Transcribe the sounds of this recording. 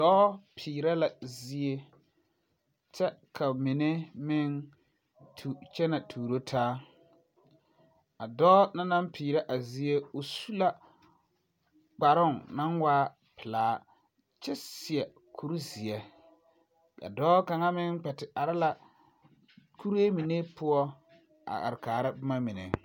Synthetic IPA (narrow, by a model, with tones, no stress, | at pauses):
dɔː˦pʰiː˨ɾɛ˦la˨zi˦e˦ | t͡ʃɛ˦kʰa˨mi˨ne˦mɪ˦ŋ | tʰu˨t͡ʃɛ˦na˨tʰuː˨ɾo˦tʰaː˦ | a˨dɔː˦na˦nã˦mpʰiː˨ɾɛ˦ʔa˨zi˨e˦o˨su˦la˨ | k͡pa˨ɾʊ˦˨ŋna˦nwaː˦ | pɪ˨laː˨˦ | t͡ʃɛ˦sɪ˨ɛ˨ | kʰu˦ɾzi˨ɛ˦ | ka̰˨dɔː˦ka˨ŋa˦mɪ˦ŋk͡pɛ˨tɪ˨ʔa˨ɾɪ˦la˨ | ku˦ɾe˦mi˨ne˦pʊ˦ɔ˦ | a̰˨ʔa̰˨ɾkaː˨ɾɪ˦bʊ˦ma˦mɪ˨nḛ˨